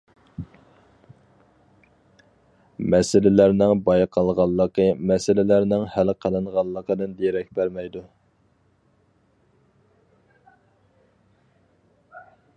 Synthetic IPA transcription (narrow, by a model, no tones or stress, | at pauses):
mɛsɪlɪlæɾnɪŋbɑjqʰɑlˠʁɑlˠːəqʰəmɛsɪlɪlæɾnɪŋhælqʰəlˠɨɴʁɑlˠːəqʰəd̪ɨnd̪ejɾɛk̚ʲbæɾmɛjd̪u